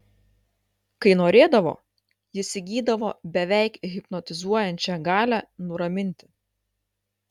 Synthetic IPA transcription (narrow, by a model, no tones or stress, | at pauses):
kɐɪnoːɾʲeːd̪ɐʋo̰ː | jɪsʲɪɡʲiːd̪ɐʋoːbʲɛʋʲæˑɪkɣʲɪpnɔt̪ʲɪzuɔjɛnʲt͡ʃʲɛɡɑːlʲænʊɾɐmʲɪnʲt̪ʲɪ̥